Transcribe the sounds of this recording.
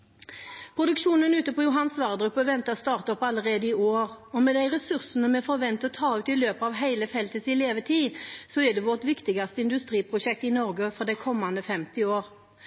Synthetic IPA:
pʰɾʊd̪ʉkʃuːnənʉːt̪əpɔjʊɦɑnsʋɑʁd̪ʁʉpːəʋɛnt̪əɑst̪ɑːʁt̪ɔpːɑlːəʁeːd̪əɪʔoːʁ | ɔmɛd̪æɪʁɛsʉʁsənəmɛfɔɾʋɛnt̪əɔt̪ʰɑːʉːt̪ɪløːpəɑːʋɦæɪləfɛlt̪əsɪleːʋət̪ʰiːsɔɛd̪ɛʋɔʁʈ̪ʋɪkt̪ɪɡɑst̪əɪnd̪ʉst̪ʁiːpʰʁʊʃɛk̚t̪ɪnɔʁɡəfɔʁd̪æɪkʰɔmːɑnd̪əfɛmt̪ɪoːʁ

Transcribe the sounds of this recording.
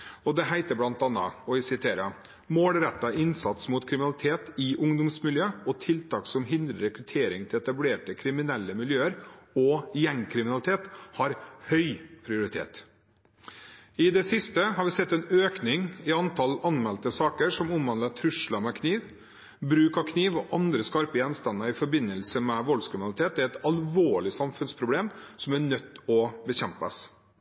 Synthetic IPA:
ɔd̪ɛɦæɪt̪əblɑnt̪ɑnə̰ɔɪsɪt̪ʰeːɾə | moːlɾɛt̪ːɑʔɪnsɑt̪smʊːt̪kʰɾɪmɪnɑlɪt̪ʰeːt̪ɪʔʊŋd̪ʊmsmɪljøːɔt̪ʰɪlt̪ʰɑːksɔmɦɪnd̪ɾəɾɛkɾʉt̪ʰeːɾɪŋt̪ʰɪlɛt̪ɑbleːʈəkʰɾɪmɪnɛlːəmɪljøːəɾɔjɛŋkʰɾɪmɪnɑlɪt̪ʰeːt̪hɑɾhœʏpʰɾɪʊɾɪt̪ʰḛːt̪ | ɪd̪ɛsɪst̪əɦɑɾʋɪsɛt̪ːɛnøːknɪŋɪɑnt̪ʰɑlɑnmɛlt̪əsɑːkəɾʂɔmʊmʋɑnlət̪ʰɾʉʂlɑmɛkʰniːʋ | bɾʉːkɑkʰniːʋɔʔɑnd̪ɾəskɑɾpəjɛnst̪ɑnːəɾɪfɔɾbɪnːəlsəmɛʋɔlskʰɾɪmɪnɑlɪt̪eːt̪ɛɾɛt̪ɑlʋoːɭɪsɑmfʉnspʰɾʊbleːmsɔmæɳœt̪ːɔbəɕɛmpəs

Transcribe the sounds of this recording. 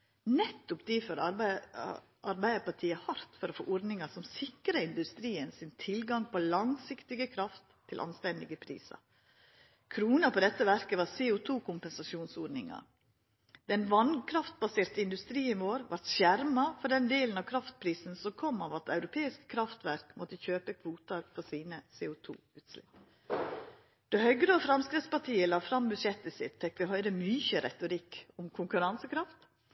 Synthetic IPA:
nɛt̪ːʊpd̪iːfœɾɑɾ | ʔɑɾbæɪd̪əpɑʈ̪ʰiːəhɑɾt̪fɔɾɔfo̰ːʔɔɾd̪nɪŋɑsɔmsɪkɾəɪnd̪ʉst̪ɾiːənsɪnt̪ʰɪlɡɑŋpʰɔlɑŋsɪkt̪ɪɡəkʰɾɑft̪ʰːɪlʔɑ̰nst̪ɛnd̪ɪɡəpʰɾḭːsɑ̰ | kʰɾuːnɑpɔd̪ɛt̪ːəʋæɾkəʋɑɾseːʊt̪ʰuːkʰʊmpɛnsɑʃuːnsɔɾnɪŋɑ̰ | d̪ɛnʋɑnkʰɾɑft̪̚bɑseːɾt̪əɪnd̪ʉst̪ɾiːənʋoːɾʋɑ̰ɾt̪ʃjæɾmɑfɔɖɛnd̪eːlən̩ɑʋkʰɾɑft̪̚pʰɾiːsn̩sɔmkʰɔmːɑʋɑt̪ɑʉɾʊpʰeːɪskkʰːɾɑft̪ʋæɾkmɔt̪əçøːpəkʰʋuːt̪əɾfɔɾsiːnəseːʊt̪ʰṵːʉːt̪slɪ̰pː | d̪̥ɛhœɡɾəɔːfɾɑmskɾɪtspɑʈʰiːəlɑfɾɑmbʉd̪ʂɛt̪ːəsɪ̰t̪fɛkːʋɪɦœʏɾəmʏçəɾɛ̰t̪ʊɾɪkːʊmkʰʊŋkʉɾɑnsəkʰɾɑft̪

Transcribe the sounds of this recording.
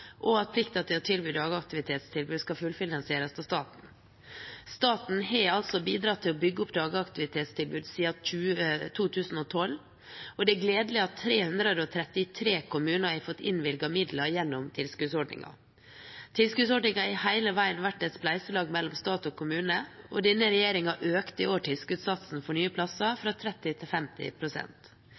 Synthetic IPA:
ʔɔɑt̪̚pʰlɪkt̪ɑt̪ʰɪlɔt̪ʰɪlbyːd̪ɑːɡəɑkt̪ɪʋɪt̪ʰeːt̪st̪ɪlbʉːd̪skɑfʉlfɪnɑnsɪeːɾəst̪ʰɑst̪ɑːt̪n̩ | st̪ɑːt̪n̩ɦɛɑlsɔbiːd̪ɾɑt̪ʰːɪlɔbʏɡːəʊpd̪ɑːɡəɑkt̪ɪʋɪt̪ʰeːt̪st̪ʰɪlbʉːd̪siːɑtʉt̪ʰuːt̪ʰʉːsn̩ɔt̪ʰɔlː | ɔd̪ɛæɡleːd̪əlɪɑt̪ʰːɾeːhʉnd̪ɾəd̪əɔt̪ʰɾɛt̪ːɪt̪ʰɾeːkʰʊmʉːnəɾæɪfɔt̪ːɪ̰nʋɪlɡɑmɪd̪lɑjɛnːɔmt̪ʰɪlskʉsɔɖɳɪ̰ŋɑ̰ | t̪ʰɪlskʉsɔɖɳɪŋɑɪhæɪləʋæɪənʋæʈːɛt̪splæɪsəlɑːɡmɛlːɔmst̪ɑːt̪ɔkʰʊmʉːnəʔɔd̪ɛnːəɾɛjeːɾɪŋɑʔøːkt̪əɪoːʈʰɪlskʉːt̪sɑt̪sn̩fɔɳyːəpʰlɑsɑfɾɑt̪ʰɾɛt̪ːɪt̪ʰɪlfɛmt̪ɪ̰pʰɾʊsɛ̰nt̪

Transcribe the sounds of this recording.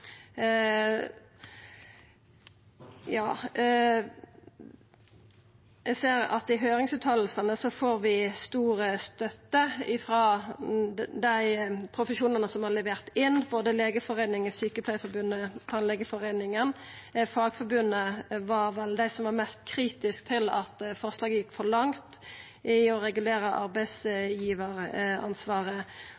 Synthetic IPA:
jɑː | jɛɡseːɾɑ̰t̪ɪɦøːɾɪŋsʉːt̪ʰɑːll̩sənəsɔfoːɾʋɪst̪uːɾəst̪œt̪ːəɪfɾɑ | d̪æɪpʰɾʊfəʃuːnənəsɔmhɑlɛʋeːʁt̪ɪnːboːd̪əleːɡəfɔʁeɪnɪŋəsyːkəpʰlæɪfɔɾbʉnːət̪ʰɑnlɛɡəfɔʁɛɪnɪŋənfɑːɡfɔɾbʉnːəʋɑɾʋɛld̪æɪsɔmʋɑɾmɛst̪kʰɾiːt̪ɪskt̪ʰɪlɑt̪fɔɾʂlɑːɡəjɪkːfɔɾlɑŋt̪ | ʔɪɔɾɛɡʉleːɾəʔɑ̰ɾbæɪsjiːʋəʁɑ̰nsʋɑːʁə

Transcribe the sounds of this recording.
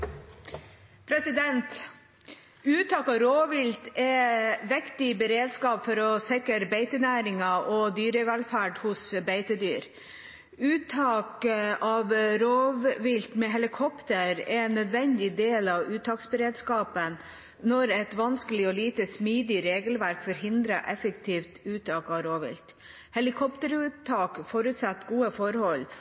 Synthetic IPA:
pʰɾɛsɪd̪ɛnt̪ | ʉːt̪ʰɑːkɑʋɾoːʋɪlt̪ɛʋɪkt̪ɪbəɾeːd̪skɑːpfɔɾɔsɛkəɾbeɪt̪ənæːɾɪŋɑʔɔd̪yːɾəʋælfæːɖhʊsbeɪt̪əd̪y̰ːɾ | ʉːt̪ʰɑːkɑʋɾoːʋʋɪlt̪mɛɦɛlɪkʰɔpt̪əɾɛ̰nːœd̪ʋɛnd̪ɪd̪eːlɑʋʉːt̪ʰɑːksbəɾeːd̪skɑːpən | nɔɾɛt̪ʋɑnskəlɪɔliːt̪əsmiːd̪ɪɾeːɡəlʋæɾkfɔɾɦɪnd̪ɾɑʔɛfəkt̪ʰiːft̪ʉːt̪ʰɑːkɑʋɾoːʋɪ̰lt̪ | hɛlɪkʰɔpt̪əɾʉːt̪ʰɑːkfɔɾʉt̪sɑt̪ːɡuːəfɔɾhɔl

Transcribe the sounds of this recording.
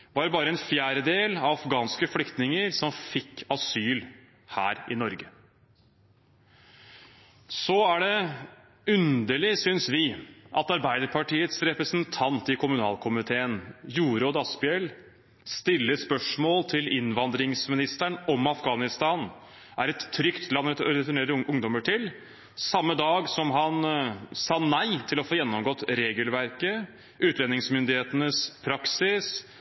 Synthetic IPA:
ʋɑɾbɑːɾəɛnfjæːɾəd̪eːlɑʋɑfɡɑːnskəflʏkt̪nɪŋəɾsɔmfɪkʰːɑsyːl | hæ̰ːɾɪnɔɾɡə | sɔæɖɛ | ʉnd̪əɭɪsʏnsʋɪʔɑt̪ɑɾbæɪd̪əɾpʰɑʈiːət̪sɾɛpɾəsnt̪ʰɑnt̪ɪkʰʊmʉnɑ̰ːlkʰʊmɪt̪ʰeːənjuːɾoːd̪ɑspɪɛl | st̪ɪlːəspœʂmoːlt̪ʰɪlɪnʋɑnd̪ɾɪŋsmɪnɪst̪əɳɔmɑfɡɑːnɪst̪ɑːn | ʔæɾɛt̪ʰːɾʏkt̪ʰlɑnːɛɔɾɛt̪ɪɳeːɾəʔʊŋd̪ɔməʈʰɪl | sɑmːəd̪ɑːɡsɔmɦɑnsɑːnæɪt̪ʰɪlɔfoːjɛnːɔmɡɔt̪ːɾeːɡəlʋæɾkə | ʉːt̪lɛnːɪŋsmʏnd̪ɪheːt̪ənəspʰɾɑksɪs

